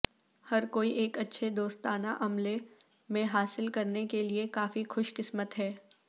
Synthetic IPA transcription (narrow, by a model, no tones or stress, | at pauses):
hɐɾkoːiʔeːkɐtːʃʰed̪oːst̪aːna̰ʔɐmle | mẽɦaːsɪlkɐɾnekeliekaːfixʊʃkɪsmət̪ɦɛː